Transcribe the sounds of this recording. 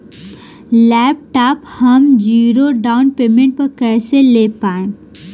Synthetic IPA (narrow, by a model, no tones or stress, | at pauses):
lɛːp̚ʈaːphɐmd͡ʒiːɾoɖaːʊnpeːmẽɳʈ̚pɐɾkɛːseleːpaːẽː